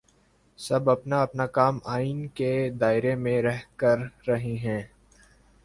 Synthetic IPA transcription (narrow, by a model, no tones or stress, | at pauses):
sɐbɐpnaɐpnakaːmaːinked̪aːɪɾemẽɾɛɦkɐɾːɐɦiɦɛ̃ː